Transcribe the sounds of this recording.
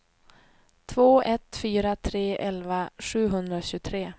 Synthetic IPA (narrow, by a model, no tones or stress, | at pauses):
t̪ʰvoːʔɛt̪fyːɾat̪ʰɾeːʔɛlvaɧʉ̟ːɦɵnd̪ɾaɕʉːt̪ʰɾeː